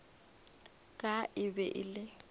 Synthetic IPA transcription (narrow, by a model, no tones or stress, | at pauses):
kʼaʔɪbɛʔɪ̰lɪ